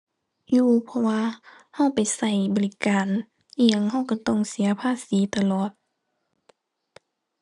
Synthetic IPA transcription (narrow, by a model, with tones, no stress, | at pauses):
juː˧˩pʰɔ˧waː˧ | ha˧˩wpa˨jsa˧˩jbɔː˨li˧kaː˨n | ʔi˧ə˨ŋɦa˧˥˩wka˧˩˦t̪ɔ˧˩˨ŋsi˨˦ɐpʰaː˧˥˨siː˨˦t̪a˧lɔː˨˩t̪̚